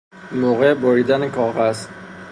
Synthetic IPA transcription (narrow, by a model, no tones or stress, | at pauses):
moːɣeboɾiːd̪ænekʰɒːɣæzt̪